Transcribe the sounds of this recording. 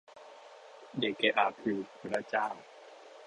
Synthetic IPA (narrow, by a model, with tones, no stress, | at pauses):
de˨˩kːe˨˦ʔa˨˩pʰɯː˧˩pʰu˨˦la˦˥˨t͡ɕaː˥˩˨w